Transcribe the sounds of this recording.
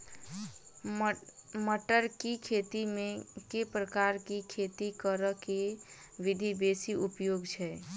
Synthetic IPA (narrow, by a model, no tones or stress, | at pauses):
məʈəɾkikʰet̪imẽkepɾəkaɾkikʰet̪ikəɾəke | ʋid̪ʱibesiʔupjoɡt͡ʃʰɛ